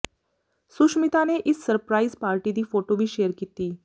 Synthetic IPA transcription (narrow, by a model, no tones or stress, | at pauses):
suʃmit̪aneʔɪsːəɾpɾaizpaːɾʈid̪iːfoʈoʋiːʃeːəɾkit̪iː